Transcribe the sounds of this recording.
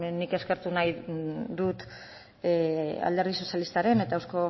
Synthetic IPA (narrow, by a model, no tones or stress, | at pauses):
nike̞ske̞ɾt̪unajðut̪ | a̰ld̪e̞ɾðiso̞sjalist̪aɾe̞ne̞t̪aewsko̞